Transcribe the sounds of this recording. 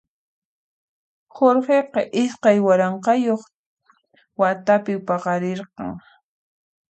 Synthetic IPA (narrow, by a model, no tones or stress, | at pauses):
xoɾɢeqɑʔɪsqɑjwaɾɑɴqɑjoχ | wat̪apɪpɑqɑɾeɾqɑ̰ŋ